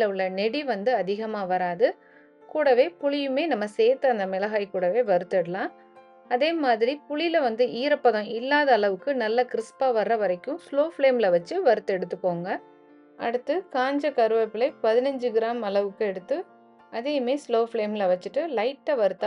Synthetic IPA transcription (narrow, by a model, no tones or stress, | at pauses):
lɐɭːɐnɛɽiʋɐnd̪ɯɐðɪɣɐmaːʋɐɾaːðɯ | kuːɽɐʋeːpʊɭɪjɯmeːnɐmːɐseːt̪ːɐɐnd̪ɐmɪlɐɣaːɪkuːɽɐʋeːʋɐɾɯt̪ːɛɽɯlãː | ɐðeːmaːðɪɾipʊɭɪlɐʋɐnd̪ɯʔiːɾɐpːɐɣɐ̃ɪlːaːðɐːlɐʋɯkːɯnɐlːɐkɪɾɪspaːʋɐɾːɐʋɐɾɐɪkːɯ̃sloːfɭeːmɪlɐʋɐt͡ʃːɯʋɐɾɯt̪ːɯɛɽɯt̪ːɯkːoːŋɡɐ | ʔɐɽɯt̪ːɯkaːɲd͡ʒɐkɐɾɯʋɐpːɪlɐɪpɐðɪnɐɲd͡ʒɯɡɪɾaːmɐlɐʋɯkːɯɛɽɯt̪ːɯ | ɐðeːmeːsloːfɭeːmɪlɐʋɐt͡ʃːɯʈːɯlɐɪʈːɐʋɐɾɯt̪ːã